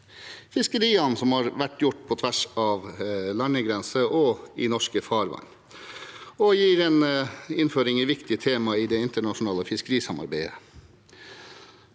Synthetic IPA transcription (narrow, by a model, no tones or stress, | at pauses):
fɪskəɾiːɑnsɔmhɑːɾʋæʈːjʊʈːpʰɔt̪ʰʋæʂɑːʋlɑɳəɡɾɛnsəʔɔɪnɔʂkəfɑːɾʋɑ̰n | ɔjiːɾɛnɪnføːɾɪŋiʋɪkt̪ɪt̪ʰeːmɑɪd̪ɛɪnt̪əɳɑʂʊnɑːləfɪskəɾiːsɑmɑ̰ɾbæɪə̰